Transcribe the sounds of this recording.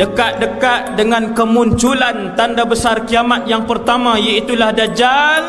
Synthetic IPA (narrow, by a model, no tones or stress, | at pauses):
dəkaʔ̪̚dəkat̪̚dəŋankəmuɲt͡ʃulant̪andabəsarkiamat̪̚jaŋpərt̪amãjait̪ulahdad͡ʒal